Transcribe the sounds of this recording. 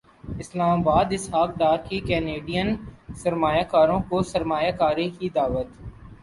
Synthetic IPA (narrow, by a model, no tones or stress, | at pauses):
ɪslaːmaːbaːd̪ɪsɦaːk̚ɖaːɾkikɛːneːɖijənsɐɾmaːjakaːɾõkosɐɾmaːjakaːɾekid̪aːʋət̪